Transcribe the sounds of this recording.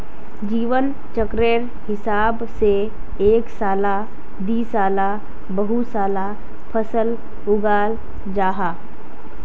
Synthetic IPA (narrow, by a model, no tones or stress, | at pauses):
d͡ʒiːʋən | t͡ʃəkɾeɾ | hɪsaːbse | eːksaːla | d̪iːsaːla | bəɦusaːla | pʰəsəl | ʊɡaːl | d͡ʒaːɦaː